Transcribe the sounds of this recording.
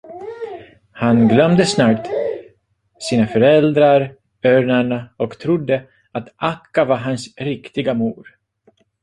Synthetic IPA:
hanɡlœmd̪əsnɑːt̪ | siːnafœɾɛld̪ɾaɾ | œːɳaɳaɔkt̪ʰɾʊd̪ːə | at̪ʔakːavaɦansɾɪkt̪ɪɡamuːɾ

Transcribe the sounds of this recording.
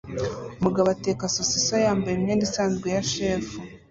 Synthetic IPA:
umuɡaβateːkasosisojaːmbajeiɲeːndisaːnzɡejaʃeːfu

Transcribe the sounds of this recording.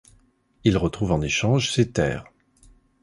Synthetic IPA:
ilʁət̪χuvɑ̃neʃɑ̃ʒset̪ɛ̰ːʁ

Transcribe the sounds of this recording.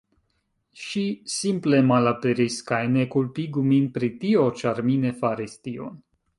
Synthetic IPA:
ʃisimplemalapeɾiskajnekulpiɡuminpɾit̪iot͡ʃaɾminefaɾist̪io̰n

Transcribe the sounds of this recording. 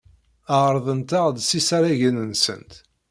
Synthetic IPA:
əʁɾˤðˤənt̪əʁd̪sisæɾæʝənənsə̰nt̪

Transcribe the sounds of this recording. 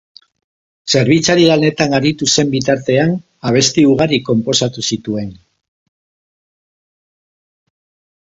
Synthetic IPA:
se̞ɾβ̞it͡saɾiɣalne̞t̪aŋɡaɾit̪use̞mbit̪aɾt̪e̞an | aβ̞e̞st̪iuɣ̞aɾiko̞mpo̞sat̪usit̪ue̞n

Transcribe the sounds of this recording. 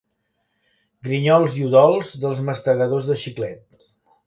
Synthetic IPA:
ɡɾiɲɔlˠziuðɔlˠzðəlˠzməst̪əɣəðozðəʃiklɛt̪̚

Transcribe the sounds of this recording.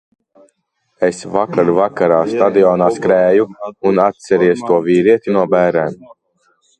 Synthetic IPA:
esvakaɾvakaɾaːst̪ad̪iɔːnaːskɾæːjuunat̪̚sɛɾiɛst̪uɔviːɾiɛt̪inuɔbæːɾɛːm

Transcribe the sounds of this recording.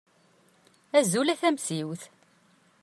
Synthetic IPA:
æzulæθæmsiwθ

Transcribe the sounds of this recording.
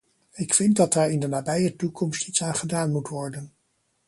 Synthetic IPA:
ɪkfɪnt̚dɑt̚daːɹɪndənaːbɛjətukʰɔmstitsaːnχədaːnmutʋɔɹdən

